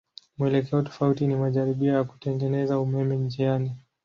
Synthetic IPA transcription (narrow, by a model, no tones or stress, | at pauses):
muɛlɛkɛɔtɔ̥fautinimaʄaɾiɓiajaku̥tɛŋɡɛnɛzaumɛmɛɲd͡ʒiani